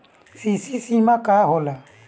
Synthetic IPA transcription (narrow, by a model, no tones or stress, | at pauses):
sisisimãkahola